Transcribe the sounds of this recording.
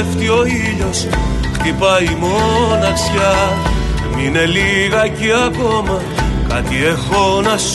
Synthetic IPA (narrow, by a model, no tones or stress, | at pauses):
ft̪io̞iʎo̞s | xt̪ipɐimonɐksçɐ | mine̞liɣɐceɐko̞mɐ | kɐt̪iexo̞nɐs